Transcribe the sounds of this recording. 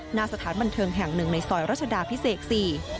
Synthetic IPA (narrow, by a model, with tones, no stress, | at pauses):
naː˧sa˧t̪ʰaː˩˦nba˧nt̪ʰɤː˧ŋɦɛ˨˩ŋnɯ˨˩ŋna˧jsɔː˨˩jɾa˦˥t̚t͡ɕʰa˧daː˧pʰi˦˥seː˨˩k̚siː˨˩